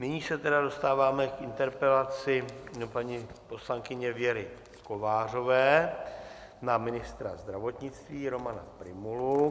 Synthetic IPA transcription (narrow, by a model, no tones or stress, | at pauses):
nɪɲiːsɛt̪ɛdado̞st̪aːvaːmɛkʔɪnt̪ɛɾpɛlat͡sɪpaɲipo̞slaŋkɪɲɛvjɛɾɪ | ko̞vaːr̝o̞vɛː | namɪnɪst̪ɾazd̪ɾavo̞t̪ɲɪt͡st̪viːɾo̞mana̰pɾɪmulu